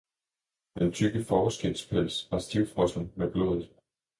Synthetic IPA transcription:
d̥ent͡sʰyɡ̥əfɒːsɡ̥el̰spʰel̰sɑsd̥iʊfʁɔ̽sn̩meɡ̥loːðˠd̥ˠ

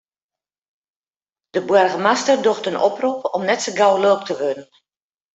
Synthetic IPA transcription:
d̥əbwɛrɣəmastərdoxtənoprupɔmnɛtsəɡawloːk̚tʰəʋødən̩

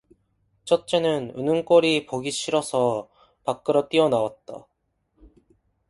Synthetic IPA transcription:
t͡ɕ͈ʰʌt̚t͡ɕ͈enɯnɯ̰nɯŋk͈ʌɾipoɡiɕʰiɾʌsʰʌ | pak͈ɯɾʌt͈iʌnawat̚t͈a̰

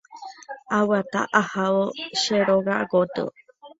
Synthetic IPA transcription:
awat̪a̰ʔahaoʃeɾoɡaɡot̪ṵ

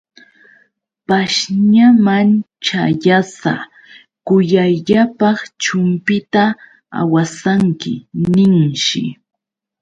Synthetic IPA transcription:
paʃɲaman | t͡ʃajasa̰ | kʊjajʎapɑχt͡ʃʊmpɪt̪a | a̰wasaŋkɪ̰nɪŋʃɪ̰

